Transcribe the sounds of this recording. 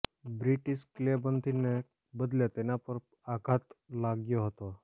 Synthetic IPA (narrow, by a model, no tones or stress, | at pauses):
bɾɪʈɪʃklebənd̪ʱine | bəd̪ljet̪enapəɾ | akʰat̪laɡjoɦət̪o